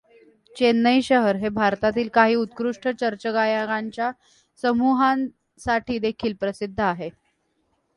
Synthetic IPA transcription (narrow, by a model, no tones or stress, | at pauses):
t͡ɕenːəjɕəɦəɾɦebʱaɾt̪at̪iːlkaɦiːut̪̚kɾuʂʈʰət͡ɕəɾt͡ɕəɡajaɡaɲt͡ɕja | səmuɦãn | saʈʰiːd̪ekʰiːlpɾəsid̪ʱːəaɦe